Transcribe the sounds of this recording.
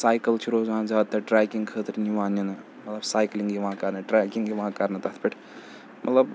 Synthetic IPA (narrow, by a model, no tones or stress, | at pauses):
saːjkɐlt͡ʃʰiɾoːzaːnzaːt̪ːɐʈɾaːkiŋɡkʰəːt̪ɐɾiniʋaːnɐnɨ | mɐt̪lɐbsaːjkliŋɡiʋãːkaːɾnɨʈɾaːkʲiŋɡiʋãːkaːɾnɐt̪ɐt̪ʰpeʈʰ | mʔɐ̰t̪lɐb